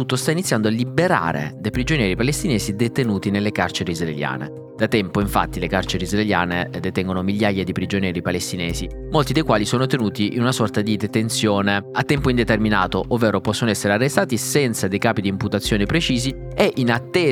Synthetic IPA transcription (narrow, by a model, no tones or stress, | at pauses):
ut̪ːost̪ainit̪sjand̪oalːibeɾa̰ːɾḛd̪ejpɾid͡ʒonjɛːɾipalest̪inɛːzid̪et̪enuːt̪inelːekart͡ʃeɾeizraelja̰ːnḛ | d̪̥at̪ɛmpoiɱfa̰t̪ːilekart͡ʃeɾeizraelja̰ːned̪et̪ɛŋɡonomiʎːajad̪ipɾid͡ʒonjɛːɾipalest̪inɛːzi | molt̪id̪ejkwaːlisoːnot̪enuːt̪iʔinunasɔrt̪ad̪id̪et̪ensjoːneat̪ːɛmpoind̪et̪erminaːt̪oʔovːɛːɾopɔsːonoɛsːeɾearːest̪aːt̪isɛnt̪sad̪ejkaːpid̪imput̪at̪sːjoːnepɾet͡ʃiːzi | eʔinat̪ːeː